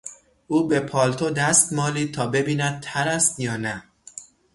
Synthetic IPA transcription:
ʔuːbepʰɒːlt̪ʰod̪æst̪mɒːliːt̪ʰɒːbe̞biːnæd̪̚t̪ʰæɾæst̪jɒːnæ

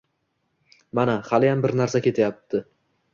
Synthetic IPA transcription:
manahalɪjambɪɾnaɾsakʲe̞t̪ʰajap̚t̪ʰɪ

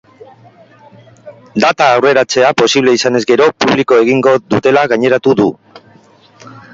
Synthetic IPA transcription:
d̪at̪aːwre̞ɾat͡se̞apo̞siβle̞isane̞zɡe̞ɾo̞puβ̞liko̞e̞ɣiŋɡo̞ðut̪e̞laɣaɲe̞ɾat̪uðu

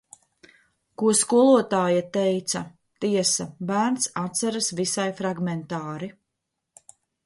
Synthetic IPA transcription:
kuɔskuɔlˠuɔt̪aːjat̪ɛjt̪sɐ | t̪iɛsɐbæːɾnsat̪saɾasvisajfɾaɡmɛnt̪aːɾi

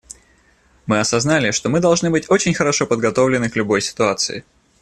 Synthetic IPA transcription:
mɨɐsɐznalʲɪʂt̪o̞mɨd̪ɐlˠʐnɨbɨtʲo̞t͡ɕɪnʲxəɾɐʂo̞pəd̪ɡɐt̪o̞vlʲɪnɨklʲʊbo̞jsʲɪ̥t̪ʊat̪sɨ̰ɪ̰

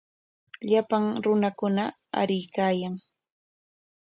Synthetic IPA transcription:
ʎapaŋɾʊnakʊna | a̰ɾɪjkaːjaŋ

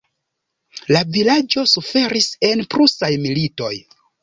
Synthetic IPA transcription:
lavilad͡ʒo̞sufe̞ɾise̞npɾusajmilito̞̰j

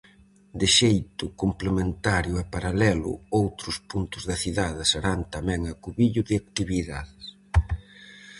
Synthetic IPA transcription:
d̪ɪʃejt̪ʊkomplemẽnt̪aɾjʊɛpaɾalɛlʊ̰owt̪ɾʊspunt̪ʊzðɐθiðaðɪseɾant̪amɛ̃ŋɐkuβiʎʊðɪak̚t̪iβiða̰ðɪs

